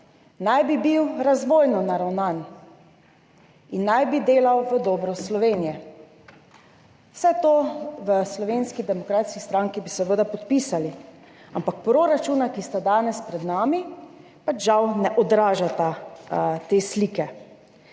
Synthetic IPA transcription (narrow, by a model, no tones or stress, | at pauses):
najbibiwɾazʋoːjnɔnaɾawnaːn | inːajbid̪eːlawʋəd̪ɔːbɾɔslɔʋeːnijɛ | wsɛt̪oːʋəslɔʋeːnskid̪ɛmɔkɾaːt̪skist̪ɾaŋkibisɛʋəːd̪apɔt̪piːsali | ampak̚pɾoɾat͡ʃuːnakist̪ad̪aːnɛspɾɛd̪naːmi | pat͡ʃʒawnɛʔɔd̪ɾaːʒat̪a | t̪eːslikɛ